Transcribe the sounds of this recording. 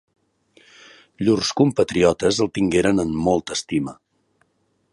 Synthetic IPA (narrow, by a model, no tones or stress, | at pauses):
ʎurskumpət̪ɾiɔt̪əzəlˠt̪iŋɡeɾənənmːɔlˠt̪əst̪imə